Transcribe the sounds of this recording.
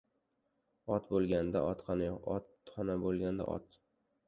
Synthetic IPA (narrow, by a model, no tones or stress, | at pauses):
ɒt̪bolˠɡʲand̪a̰ʔɒt̪χɒnajɒt̪χɒnabolˠɡʲand̪a̰ʔɒ̰t̪